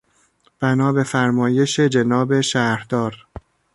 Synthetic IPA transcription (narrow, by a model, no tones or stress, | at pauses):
b̥ænɒːbe̞fæɾmɒːje̞ʃed͡ʒenɒːbe̞ʃæːɾd̪̥ɒːɾ